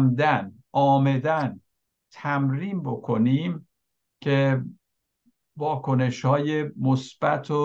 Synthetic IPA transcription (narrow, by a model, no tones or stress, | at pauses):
md̪ænʔɒːmed̪æn | t̪ʰæmɾiːmbo̞kʰo̞niːm | cʰe | vɒːkʰo̞ne̞ʃhɒːjemosb̥æ̰t̪ʰo